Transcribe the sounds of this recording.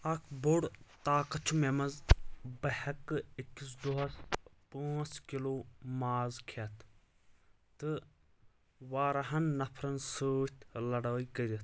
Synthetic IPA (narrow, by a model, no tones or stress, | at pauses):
ɐkʰboɽt̪aːkɐt͡ʃʰumemɐzbɐhɐkikːis̬d̪uɦɐspãːt͡skiloːmaːzkʰet̪ʰ | t̪ɨ | ʋaːɾɐɦɐnːɐpʰɾɐnsəːt̪ʰlɐɽaːikəɾɐt̪ʰ